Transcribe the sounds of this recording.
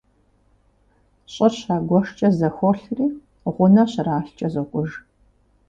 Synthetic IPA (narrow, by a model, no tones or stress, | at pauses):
ɕʼɐɕaːɡʷɔʂt͡ʃʼɐzɐxʷɔɬriː | ʁʷʊnɐɕraːɬt͡ʃʼɐzokʷʼʊʒ